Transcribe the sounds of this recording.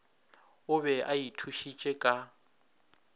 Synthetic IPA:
ʊβɛajitʰuʃit͡ʃʼɛkʼa

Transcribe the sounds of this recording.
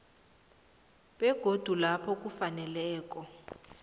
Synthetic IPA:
ɓɛɡ̥ʱod̥ʱulapʰɔk̬ʼufanɛlɛːk̬ʼɔ

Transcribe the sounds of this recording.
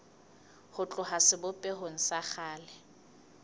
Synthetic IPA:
hʊt͡ɬʼʊɦasɪbʊpʼɛɦoŋ̩saχaːlɪ

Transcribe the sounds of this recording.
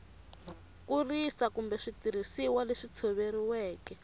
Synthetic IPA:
kurisakumbɛʂitiɾisiwaleʂit͡sʰoβeɾiwɛːkɛ

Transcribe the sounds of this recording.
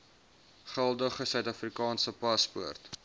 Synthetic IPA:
χælˠdəχəsœɥtɐfrikɑːnsəpɐspṵərt

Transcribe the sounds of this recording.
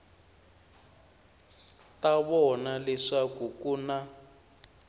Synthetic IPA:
taβɔnalɛʂakukuna

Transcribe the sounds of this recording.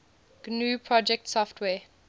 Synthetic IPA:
ɡ̥nuːpʰɹɔd͡ʒɛk̚tsɔftʰwɛː

